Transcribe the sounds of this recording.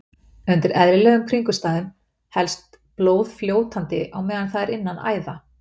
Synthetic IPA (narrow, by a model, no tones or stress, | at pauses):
ʏnt̪ɪɾɛðɾɪlɛːɣʏmkʰɾiŋkʏst̪aːðʏm | hɛlst̪ | ploːwðfljoːwt̪ant̪ɪʔawmɛːðanθaðɛɾɪnːana̰ːjða